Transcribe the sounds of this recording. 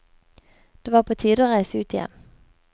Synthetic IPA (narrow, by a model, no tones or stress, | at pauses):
d̪̥eːʋɑːʁpʰoːt̪ʰiːd̪oːʁæɪsəʉːt̪ɪjɛ̰n